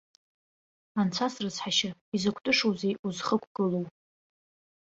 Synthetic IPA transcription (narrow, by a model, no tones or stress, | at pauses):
ant͡sʷʰasrɨt͡sħaʃaizakʷʰtʼɨʂowzejuzχəkʷʰɡ̥ɨlow